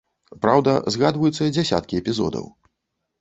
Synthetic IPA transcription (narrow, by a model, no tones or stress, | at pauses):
pɾawd̪ɐzɣad̪vɐjut̪sːɐd͡zʲasʲa̰t̪̚kʲiɛpʲizɔ̰d̪ɐ̰w